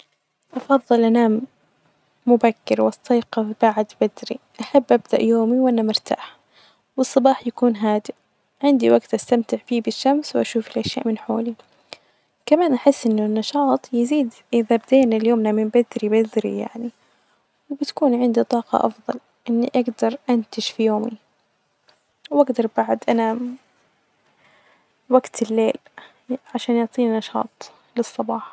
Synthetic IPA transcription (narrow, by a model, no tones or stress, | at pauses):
ʔɑfɑðˤːɨlʔanaːmː | ʊbakːɪɾwʔɑsːiːqɑb̥aʕd̪bad̪ɾḭʔaħabːʔabd̪a̰ʔjoːmiwʔanːamʊɾt̪ʰa̰ːħ | wɨsˤːɑbɑːħjakuːnɦaːd̪ɪ | ʕɪnd̪iwaɡt̪ʔast̪amt̪ɪʕbiːbɪʃːamswʔaʃuːfɪlʔaʃja̰ːʔmɪnħo̰ːli | kamaːnʔaħɪsːʔɪnːʊnːɑʃɑːt̪ˤjɪziːd̪ | ɪðabd̪eːnɪljoːmnamɪmbɪd̪ɾibɪd̪ɾḭja̰ʕni | wbɪt̪ḁkuːnʕɪnd̪it̪ˤɑːqɑ̰ʔɑ̰fðˤɑ̰l | ʔɪnːiʔaɡd̪ɑɾˤʔant̪ɪʃfijoːmi | wʔaɡd̪ɑɾˤbaʕd̪ʔana | waɡt̪ʰɪlːeːl | ʕaʃaːnjʊʕt̪ˤiːninɑʃɑ̰ːt̪ˤ | lɨsˤːɑbɑːħɑ̥